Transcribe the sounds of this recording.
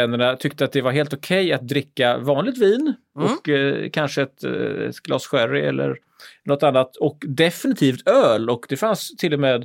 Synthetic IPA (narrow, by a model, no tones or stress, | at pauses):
ɛnːəɳat̪ʰʏkt̪əat̪̚d̪ɛvaɾɦeːlt̪ʊkʰɛjat̪̚d̪ɾɪkːavɑːnlɪɡ̚t̪viːn | ɔkːkʰanʂəɛt̪ɛ̰t̪ɡ̥lɑ̰ːsɧæɾɪɛ̰lːə̰ɾ | nɔt̪anːat̪ɔkd̪ɛfɪnɪt̪ʰiːft̪øːlɔkd̪ɛfanst̪ʰɪlːɔmeːd̪